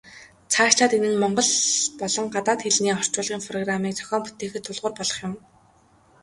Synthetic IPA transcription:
t͡sʰaːʃɮaːt̪enɘ̆nmɔɴɢɞ̆ɮpɔɮɞ̆ŋɢat̪aːt̪xeɮniːɔr̥t͡ɕʊːɮʁiːŋpʰrɔɣramiːk̚t͡sʰœ̥xʲɔːmpu̥t̪eːxɘ̆t̪ʰːʊɮʁʊːrpɔɮɞ̆χjʊ̆m

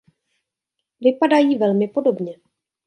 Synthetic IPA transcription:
vɪpadajiːvɛlmɪpo̞do̞bɲɛ

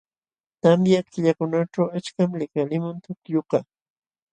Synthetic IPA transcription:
t̪amjakɪʎakʊnaʈ͡ʂawat͡ʃkamlɪkalɪmant̪ʊkjoqɑ

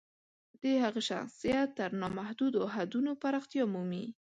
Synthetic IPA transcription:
d̪̥əhaɣaʃa̰xsijatt̪ːəɾnɑmahd̪ud̪oɦad̪unopaɾɑxt̪jɑmumi

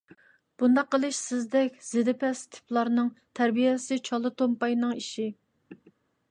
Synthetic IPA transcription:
b̥und̪ɑqːəlˠɨʃsɪzd̪ɛkʲz̥ɪd̪ɪpʰɛst̪ʰɪ̥plˠɑɾnɨŋt̪ʰæɾbijɛsɪt͡ʃʰɑlˠɨt̪ʰompɑjnɨŋiʃi

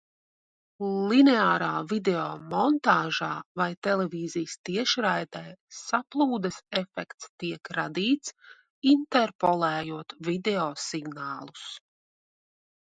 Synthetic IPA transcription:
lˠinɛaːɾaːvid̪eoːmɔnt̪aːʒaːvajt̪ɛlˠɛviːzijst̪iɛʃɾajd̪ɛjsaplˠuːd̪ɛsɛfɛkt̪st̪iɛkɾad̪iːt̪s | int̪ɛɾpɔlˠɛːjuɔt̪vid̪eɔːsiɡnaːlˠu̥s

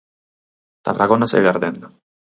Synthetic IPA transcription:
t̪a̰rʔaɣonasḛɣaɾðen

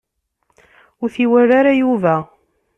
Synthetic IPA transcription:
ʊɾθiwæɾaɾajuvæ

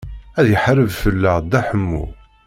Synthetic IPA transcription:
æðjəħɾəvfəlːæd̪æħəmːṵ

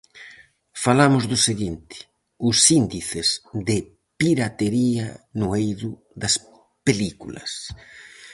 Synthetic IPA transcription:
falamʊzðʊseɣint̪ɪ̥ | ʊsind̪iθɪzðɪ | piɾat̪eɾianʊejðʊ | ðɐs | pelikulɐ̰s

